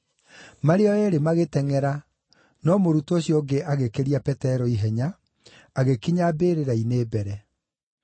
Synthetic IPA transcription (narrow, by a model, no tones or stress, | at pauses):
maɾeɔɛɾemaɣetɛŋɛɾa | nɔmoɾutoɕjɔɡeaɣekeɾiapɛtɛɾɔiɦɛɲa | aɣekiɲabeːɾeɾaineːbɛɾɛ